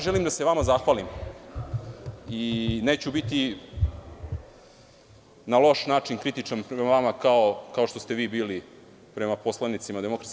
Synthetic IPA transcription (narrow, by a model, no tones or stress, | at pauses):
ʒelimd̪aseʋamazaxʋaːlim | ineːt͡ɕubit̪i | nalo̞ʃnaːt͡ʃinkɾit̪it͡ʂanpɾeemaʋamakaokao̞ʃt̪o̞st̪e̞ʋiːbiːli | pɾe̞mapo̞slˠanit̪simad̪eo̞kɾat̪